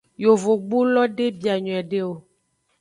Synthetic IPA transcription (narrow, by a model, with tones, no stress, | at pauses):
jo˨vo˨ɡ͡bu˦lɔ˦ɖe˦bi˨a˨ɲɔ̃˨ɛ˨ɖe˦wo˨